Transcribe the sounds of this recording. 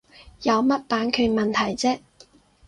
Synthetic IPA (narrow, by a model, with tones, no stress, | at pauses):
jɐ˨˧wmɐ˥t̚paː˨˧nkʰɵ˨˧mɐ˨nt̪ʰɐ˨˩jt͡sɛː˥